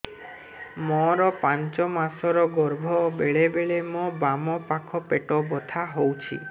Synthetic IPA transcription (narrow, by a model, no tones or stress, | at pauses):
mɔɾɔpaɲt͡ʃɔmasɔɾɔɡɔɾbʱɔbeɭebeɭemobamɔpakʰɔpeʈɔbɔt̪ʰaɦowt͡ʃʰḭ